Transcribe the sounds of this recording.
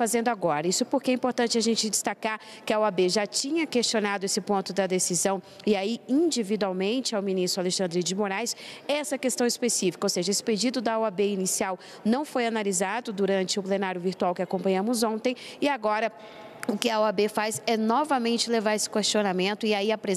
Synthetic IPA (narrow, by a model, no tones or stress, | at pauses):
fazẽnd̪ʊaɡɔɾɐisʊpoɾkeɛĩpoɾt̪ɐ̃nt͡ʃɪaʒẽnt͡ʃɪd͡ʒɪst̪akaɾ | kɪɐwabeʒat͡ʃĩɲɐkest͡ʃonad̪ʊesɪpõnt̪ʊd̪ɐd̪esizɐ̃w̃ | ɪaiĩd͡ʒivid̪uawmẽnt͡ʃɪawminist̪ɾʊaleʃɐ̃nd̪ɾɪd͡ʒɪmoɾajsɛɛsɐkest̪ɐ̃w̃ɪspesifi̥kɐowseʒɐesɪ̥ped͡ʒid̪ʊd̪ɐwabeinisiaw | nɐ̃w̃fojanalizad̪ʊd̪uɾɐ̃nt͡ʃɪʊplenaɾjʊviɾt̪uawkɪakõmpɐ̃ɲɐ̃mʊzõnt̪ẽj̃ɪaɡɔɾɐ | ʊkɪɐwabefazɛnɔvɐmẽnt͡ʃɪlevaɾesɪ̥kest͡ʃionamẽnt̪ʊɪaiapɾe